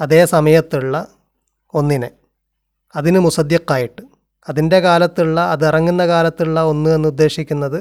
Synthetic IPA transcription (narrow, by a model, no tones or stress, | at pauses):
ɐðe̞ːsɐmɐjɐt̪ːiɭːɐ | o̞nːinɨ | ɐðinɨmusɐd̪jɐqːaːjiʈːɨ | ɐðinde̞kaːlɐt̪ːiɭːɐɐðirɐŋːunːɐkaːlɐt̪ːiɭːɐo̞nːue̞nːud̪ːe̞ːɕikʲːunːɐðɨ